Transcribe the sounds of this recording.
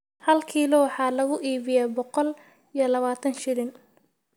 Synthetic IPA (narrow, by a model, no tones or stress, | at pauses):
hɐlkʰiːlɔwħɑːlɐɣʊʔiːβɪjaːbɔqɔl | ijɞlɐβaːt̪ʰɐnʃɪɾɪn